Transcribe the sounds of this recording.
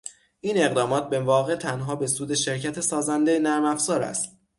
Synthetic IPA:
ʔiːne̞ɣd̪ɒːmɒːt̪̚ʰbe̞vɒːɣe̞t̪ʰænɦɒːbe̞suːd̪e̞ʃe̞ɾcʰæt̪ʰesɒːzænd̪e̞enæɾmæfz̥ɒːɾæ̰st̪̚

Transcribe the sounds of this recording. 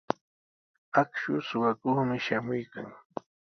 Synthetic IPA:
akʃʊsʊwakʊχmɪʃamʊjkaŋ

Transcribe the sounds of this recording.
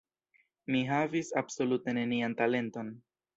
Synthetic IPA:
miɦavisabso̞lute̞ne̞niantale̞nto̞n

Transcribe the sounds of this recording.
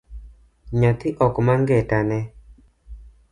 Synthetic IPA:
ɲat̪ɪʔɔkmaŋɡɛtanɛ

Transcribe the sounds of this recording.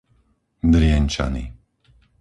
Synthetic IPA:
d̪ɾɪɛɲt͡ʃa̰nḭ

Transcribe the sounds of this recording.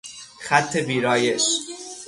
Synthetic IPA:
xæt̪ʰːebiːɾɒːjeʃ

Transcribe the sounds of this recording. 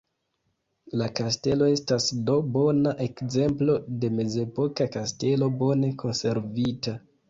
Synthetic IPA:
lakaste̞lo̞e̞stasdo̞bo̞naʔe̞kze̞mplo̞de̞me̞ze̞po̞kakaste̞lo̞bo̞ne̞kʰo̞nse̞ɾvita

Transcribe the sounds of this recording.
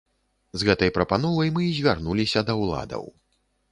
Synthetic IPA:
zɣɛt̪ɐjpɾɐpanɔvɐjmɨzʲvʲarnulʲisʲɐd̪ɐwlˠa̰d̪ɐ̰w

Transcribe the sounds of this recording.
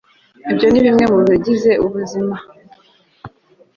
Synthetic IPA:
ibjo̞niβimŋe̞mumiɟizeʔuβuzima

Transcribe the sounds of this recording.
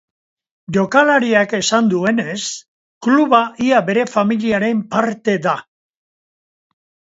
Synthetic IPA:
ʝo̞kalaɾiake̞sand̪ue̞ne̞s | kluβaʔiaβe̞ɾe̞familiaɾe̞mpaɾt̪e̞ða

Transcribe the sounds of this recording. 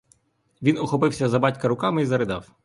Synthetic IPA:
ʋʲinɔxɔpɪwsʲɐzɐbɑtʲkɐɾʊkɑmɪizɐɾɪd̪ɑ̰w

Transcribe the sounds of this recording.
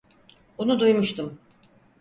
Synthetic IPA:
bunud̪ujmuʃt̪ʰɯm

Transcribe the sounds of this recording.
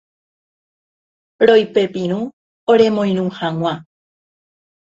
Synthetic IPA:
ɾojpe̞pĩɾ̃ũ | oɾe̞mõj̃ɾũhaŋ̃ʷã

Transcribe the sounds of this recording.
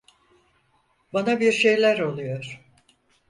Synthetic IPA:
banabiɾʃe̞jlʲæɾo̞lˠujo̞ɾ̥

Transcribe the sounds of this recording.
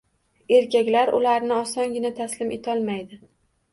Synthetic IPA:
e̞ɾkʲakʲlaɾʊ̰laɾnɪɒsɒŋɡʲɪnat̪ʰaslɪmʔet̪ʰɒlˠmajd̪ɪ

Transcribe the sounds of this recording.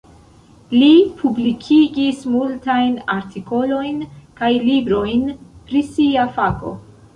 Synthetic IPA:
lipʰublikʰiɡismultajna̰ɾtʰiko̞lo̞jnkajlibɾo̞jnpɾisiafako̞̰

